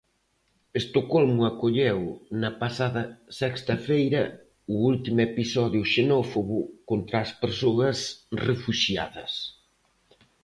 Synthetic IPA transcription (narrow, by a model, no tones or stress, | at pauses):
est̪okɔlmʊakoʎewnɐpasaðɐsɛkst̪ɐfejɾɐ | ʊult̪imʊepisɔðjʊʃenɔfoɣʊkont̪ɾaːspeɾsoɐsrefuʃja̰ðɐs